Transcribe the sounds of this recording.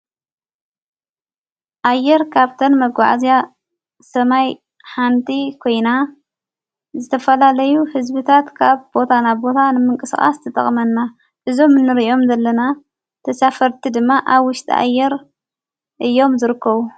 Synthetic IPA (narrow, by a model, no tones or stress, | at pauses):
ʔajːɛɾkʰaβt̪ʰɐnmɐɡa̰ʕazija | sɐmaj | ħant̪ʰʼikʰo̞jna | zɨt̪ʰɐfɐlalɐjuhɨzβɨt̪ʰat̪kʰaβbo̞t̪ʰanaβbo̞t̪ʰanɨmɨŋkʼɨsxʼa̰st̪ʰɨt̪ʼɐ̰χʼmɐnːa | ʔɨzo̞mɨnːɨɾio̞mzɐlːɐna | t̪ʰɐsafɐɾt̪ʰid̪ɨmːaʔaβwʊʃt̪ʰʼḭa̰jːɛɾ | ʔɨjːo̞mzɨɾɨkːɐβu